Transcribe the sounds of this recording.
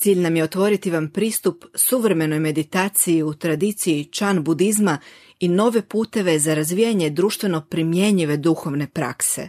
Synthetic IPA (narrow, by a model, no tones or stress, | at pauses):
t̪siːʎnamjeo̞t̪ʋo̞ɾit̪iʋampɾiːst̪upsuʋɾe̞me̞no̞jme̞d̪it̪aːt̪sijiut̪ɾad̪it̪sijit͡ʃanbud̪izma | ino̞ʋe̞puːt̪e̞ʋe̞zaɾazʋiːjaɲe̞d̪ɾuːʃt̪ʋe̞no̞pɾimje̞ɲiʋe̞d̪uxo̞ʋne̞pɾa̰kse̞̰